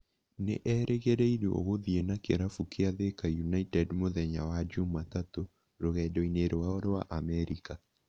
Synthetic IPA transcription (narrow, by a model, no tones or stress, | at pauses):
nḛʔɛɾʔeɣeɾɛiɾuo̰ɣoðienakeɾafukeaðekajunaitɛdmoðɛɲawad͡ʒumatato | ɾoɣɛdɔineɾowaɔɾowa̰ʔamɛɾika